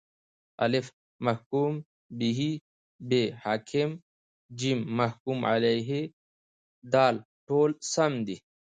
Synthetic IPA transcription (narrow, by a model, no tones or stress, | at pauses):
ɐlif | mɐhkuːm | biɦi | behaːkʰim | d͡ʑimːɐhkuːmʕa̰lɐjɦe | d̪aːl | ʈʰoːlsɐmd̪i